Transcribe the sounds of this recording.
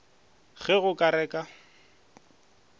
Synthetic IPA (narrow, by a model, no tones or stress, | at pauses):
ɣɛɣʊkʼaɾɛːkʼa